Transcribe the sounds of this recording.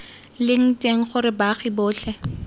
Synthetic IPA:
lɪŋ̩tʼeŋ̩χʊɾɪbaχibʊːɬɛ

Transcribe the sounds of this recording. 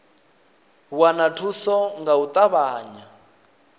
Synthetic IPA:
wanatʰusɔŋɡaut̪ʼaβaːɲa

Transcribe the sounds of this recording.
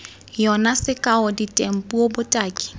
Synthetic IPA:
jɔnasɪkʼaʊditʼem̩pʼuobʊtʼaːkʼi̥

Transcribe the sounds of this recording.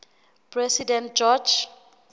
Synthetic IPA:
pʰrɛsidɛntd͡ʒɔd͡ʒ

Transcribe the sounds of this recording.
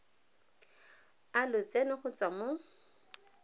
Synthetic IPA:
alʊt͡senɪχʊt͡sʼwamo

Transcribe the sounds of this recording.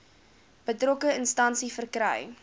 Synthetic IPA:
b̥ətrɔkəənstɐnsifərkɾə̰j

